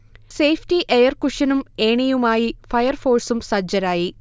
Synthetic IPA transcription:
se̞jfʰtiʔejɐrkuʂɐnumeːɳijumaːjifɐjɐrfo̞ːrsumsɐd͡ʑɐɾaːji

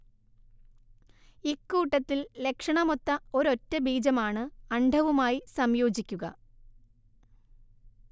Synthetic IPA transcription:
ikːuːʈːɐt̪ːille̞kʂɐɳɐmot̪ːɐo̞ɾo̞tːɐbiːd͡ʑɐmaːɳɨɐɳɖʱɐʋumaːjisɐmjo̞ːd͡ʑikʲːuɣɐ̰

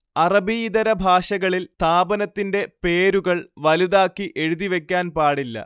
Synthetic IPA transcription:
ɐrɐbiːðɐɾɐbʱaːʂɐɣɐɭilt̪aːbɐnɐt̪ːinde̞pe̞ːɾuɣɐɭʋɐluðaːkːiʔe̞ɻuðiʋe̞kʲːaːnpaːɽilːɐ̰

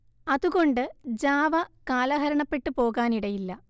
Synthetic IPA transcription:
ɐðuɣo̞ɳɖɨd͡ʑaːʋɐkaːlɐɦɐɾɐɳɐpːe̞ʈːɨpo̞ːɣaːniɽɐjilːɐ

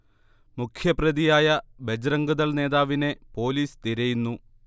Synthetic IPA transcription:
mukʰjɐprɐðijaːjɐbed͡ʑɾɐŋɡuðɐlne̞ːðaːʋine̞po̞ːliːst̪iɾɐjunːu

